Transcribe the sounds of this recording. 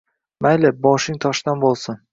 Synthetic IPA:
majlɪbɒʃɪŋt̪ʰɒʃd̪anbolˠsɪn

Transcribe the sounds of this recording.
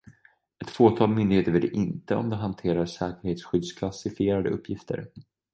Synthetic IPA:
ɛt̪foːt̪ʰɑːlmʏnd̪ɪɡheːt̪əɾveːd̪ɛ̰ʔɪnt̪əɔ̰md̪ɛɦant̪ʰeːɾaʂɛːkəɾheːt̪sɧʏd̪skʰlasɪfɪeːɾad̪əɵpːjɪft̪ʰə̰ɾ

